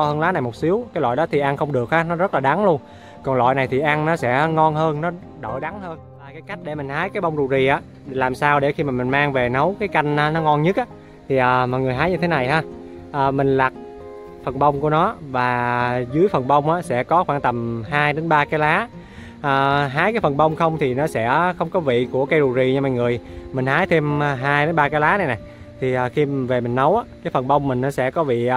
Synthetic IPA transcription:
ɔ˧həː˧nlaː˨˦na˨˩jmo˨˩t̚si˨˦əwkaː˨˦lwa̰˧˨jɗɔ˨˦t̪ʰi˨˩ʔa˧nxə˧wŋ͡mɗɨ˨˩ək̚haː˨˦nɔ˨˦zə˦˥laː˨˩ɗa˨˦ŋlu˧ən | kɔ˨˩nlwa̰ː˧˨jna˨˩jt̪ʰi˨˩ʔa˧nnɔ˨˦sɛ̰˧˥ŋɔ˧nɦəː˧nnɔ˨˦ | ɗo˧˩jɗa˨˦ŋhəː˧nlaː˨˩kaː˨˦jka˦˥jk̟̚ɗe˧˩mï˨˩ŋ̟haː˨˦jkaː˨˦jɓə˧wŋ͡mɗu˨˩zi˨˩ʔaː˨˦˩ | laː˨˩msaː˧wɗe˧˩xi˧maː˨˩mï˨˩ŋ̟maː˧ŋve˨˩nə˨˦wkaː˨˦jka˧jŋ̟ʔaː˨˦nɔ˨˦ŋɔ˧nɲɨ˦˥k̚ʔaː˨˧˦ | t̪ʰi˨˩ʔəː˨˩mɔ˨˩jŋɨ˨˩əjɦaː˨˦jɲɨ˧t̪ʰe˨˦na˨˩jɦaː˧ | ʔəː˨˩mï˨˩ŋ̟laː˨˩k̚ | fə˨˩nɓə˧wŋ͡mku˧˩ənɔ˨˦vaː˨˩zɨ˨˦əjfə˨˩nɓə˧wŋ͡mʔaː˨˦sɛ̰˧˥kɔ˨˦xwaː˧˩nt̪ə˨˩mɦaː˧jɗe˨˦nɓaː˧kaː˨˦jlaː˨˦ | ʔəː˨˩ɦaː˨˦jkaː˨˦jfə˨˩nɓə˧wŋ͡mxə˧wŋ͡mt̪ʰi˨˩nɔ˨˦sɛ̰˧˥xə˧wŋ͡mkɔ˨˦vḭ˧˨ku˧˩əka˧jɗu˨˩zi˧˨˩ɲɨ˧ma˨˩ŋɨ˨˩əjmï˨˩ŋ̟haː˨˦jt̪ʰe˧mː˨˩ɦaː˧jɗe˨˦nɓaː˧kaː˨˦jlaː˨˦na˨˩jna˨˩j | t̪ʰi˨˩ʔəː˨˩xi˧ve˨˩mï˨˩ŋ̟nə˨˦wʔaː˨˧˦kaː˨˦jfə˨˩nɓə˧wŋ͡mmï˨˩ŋ̟nɔ˨˦sɛ̰˧˥kɔ˨˦vḭ˧˨

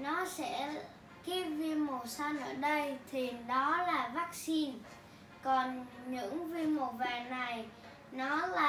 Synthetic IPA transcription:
nɔ˨˦sɛ̰˧˥ | ki˦˥p̚vi˧mo˨˩sa˧nʔəː˧˩ɗə˧jt̪ʰi˨˩ɗɔ˨˦laː˨˩vaː˦˥k̚si˧n | kɔ˨˩nɲɨ̰˧˥ŋvi˧mo˨˩vaː˨˩na˨˩j | nɔ˨˦laaː˨˩

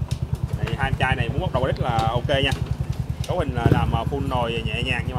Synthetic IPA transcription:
na˨˩jhaː˧jmt͡ɕaː˧jna˨˩jmu˨˦nɓa˦˥t̚ɗə˨˩wɗi˦˥k̟̚laː˨˩ʔo˧ke˧ɲaː˧ko˨˦hï˨˩ŋləː˨˩laː˨˩mʔəː˨˩fu˧nzo˨˩jɲɛ̰˧˨ɲaː˨˩ŋɲɨ˧ŋma˨˩

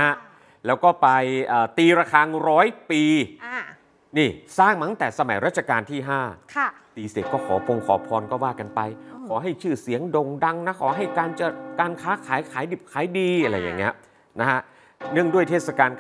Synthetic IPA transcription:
n˦˥ha˦˥ | lɛː˦˥wkɔː˥˩pa˧jʔɤː˨˩t̪iː˧ɾaː˧kʰaː˧ɾɔː˦˥jpiː˧ | niː˥˩saː˥˩ŋma˨˦ŋt̪ɛː˨˩sa˧ma˩˦jɾa˦˥t̪̚t͡ɕʰa˧kaː˧nt̪ʰiː˥˩ɦaː˥˩kʰ | t̪iː˧se˨˩t̪̚kɔː˥˩kʰɔː˩˦pʰo˧ŋkʰɔː˩˦pʰɔː˧nkɔː˥˩waː˥˩ka˧npa˧jkʰɔː˩˦ɦa˥˩jt͡ɕʰɯː˥˩si˨˩˦əŋdo˧ŋda˧ŋna˦˥kʰɔː˩˦ɦa˥˩jkaː˧nt͡ɕa˧˩kaː˧nkʰaː˦˥kʰaː˨˩˦jkʰaː˨˩˦jdi˨˩p̚kʰaː˩˦jdiː˧ʔa˧ɾa˧jːa̰˨˩ŋːi˦˥ɐ | na˦˥ka˦˥ʔ | nɯ˥˩əŋdu˥˩əjt̪ʰeː˥˩t̚sa˧kaː˧n

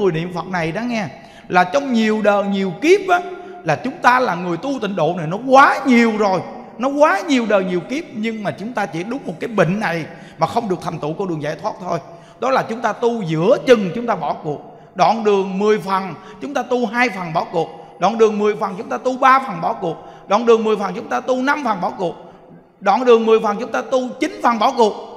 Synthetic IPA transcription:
ŋɨ˨˩jnḭ˧˨əmfə˨˩t̚na˨˩jɗɔ˨˦ŋɛ˧ | laː˨˩t͡ɕɔ˧wŋ͡mɲi˨˩əwɗəː˨˩ɲi˨˩əwki˦˥əp̚ʔaː˨˦laː˨˩t͡ɕʊ˨˦ŋ͡mt̪aː˧laː˨˩ŋɨ˨˩əjt̪u˧t̪ï˧˨ŋ̟ɗo̰˧˨na˨˩jnɔ˨˦kwaː˨˦ɲi˨˩əwzo˨˩j | nɔ˨˦kwaː˨˦ɲi˨˩əwɗəː˨˩jɲi˨˩əwki˦˥əp̚ɲɨ˧ŋmaː˨˩t͡ɕʊ˨˦ŋ͡mt̪aː˧t͡ɕḭ˧˥ɗʊ˨˦ŋ͡mmo˨˩t̚kaː˨˦jɓḭ˧˨ŋ̟na˨˩j | maː˨˩xə˧wŋ͡mɗɨ˨˩ək̚t̪ʰa˨˩jŋ̟t̪ṵ˧˩kɔ˧˦ɗɨ˨˩əŋza̰ː˧˩jt̪waː˦˥t̚t̪ʰo˧j | ɗɔ˨˦laː˨˩t͡ɕʊ˨˦ŋ͡mt̪aː˧t̪u˧zɨ̰˧˥ət͡ɕɨ˨˩ŋt͡ɕʊ˨˦ŋ͡mt̪aː˧ɓɔ˧˩kṵ˨˩ək̚ | ɗɔ̰˧˨nɗɨ˨˩əŋmɨ˨˩əjfə˨˩n | t͡ɕʊ˨˦ŋ͡mt̪aː˧t̪u˧ɦaː˧jfə˨˩nɓɔ˧˩ku˨˩ək̚ɗɔ̰˧˨nɗɨ˨˩əŋmɨ˨˩əjfə˨˩nt͡ɕʊ˨˦ŋ͡mt̪aː˧t̪u˧ɓaː˧fə˨˩nɓɔ˧˩˦ku˨˩ək̚ | ɗɔ̰ː˧˨nɗɨ˨˩əŋmɨ˨˩əjfə˨˩nt͡ɕʊ˨˦ŋ͡mt̪aː˧t̪u˧na˧mfə˨˩nɓɔ˧˩˦ku˨˩ək̚ | ɗɔ̰˧˨nɗɨ˨˩əŋmɨ˨˩əjfə˨˩nt͡ɕʊ˨˦ŋ͡mt̪aː˧t̪u˧t͡ɕi˨˦nfə˨˩nɓɔ˧˩˦ku˨˩ək̚

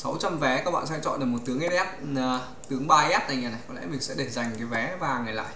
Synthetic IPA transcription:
sa˨˦wt͡ɕa˧mvɛ˨˦kaː˦˥k̚ɓa̰ː˧˨sɛ̰˧˥t͡ɕɔ̰˧˨nɗə˨˩mo˨˩t̚t̪ɨ˨˦əŋʔɛ˦˥t̚ɛ˦˥t̚ː | t̪ɨ˨˦əŋɓaː˧ʔɛ˦˥t̚t̪a̰ː˧˨jɲaː˨˧˩na˨˩jkɔ˨˦lɛ̰˧˥mï˨˩ŋ̟sɛ̰˧˥ɗe˨˩nza˨˩jŋ̟kaː˨˦jvɛ˨˦vaː˨˩ŋa˨˩jla̰ː˧˨j

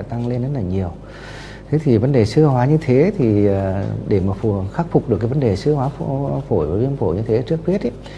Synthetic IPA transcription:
jt̪a˧ŋle˧nzə˦˥t̚laː˨˩ɲi˨˩əw | t̪ʰe˨˦t̪ʰi˨˩və˨˦nɗe˨˩sɨ˧əhɦwaː˨˦ɲɨ˧t̪ʰe˨˦t̪ʰi˨˩˨ɗe˧˩maː˨˩fo˧˩xaː˦˥k̚fʊ˨˩k͡p̚ɗɨ˨˩kːaː˨˦vnɗe˨˩sɨ˧əhwaː˨˦ffo˧˩jvaː˨˩vi˧ənfo˧˩jɲɨ˧t̪ʰe˨˦t͡ɕɨ˦˥ək̚pʰwi˦˥ət̚ʔ

